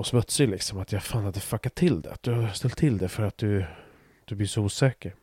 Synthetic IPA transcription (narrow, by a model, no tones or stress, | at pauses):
ɔsmɵt̪sɪlɪksɔmat̪ʰjafaːnhad̪ːəfakːat̪ʰːɪld̪ɛ̰at̪̚d̪ɵhast̪ɛlt̪ʰːɪld̪ɛfœɾat̪̚d̪ɵ | d̪̥ɵblɪʂɔuːsɛːkəɾ